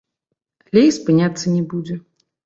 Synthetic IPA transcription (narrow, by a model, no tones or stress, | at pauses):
lʲejspɨnʲat̪sːɐnʲɛbud͡zʲɛ